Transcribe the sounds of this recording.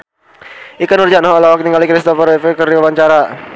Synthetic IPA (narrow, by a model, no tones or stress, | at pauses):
ʔikanurd͡ʒanaɦɔlawak̚t̪iŋɡalikɾist̪ɔfəɾɛfekəriwawaɲt͡ʃaɾa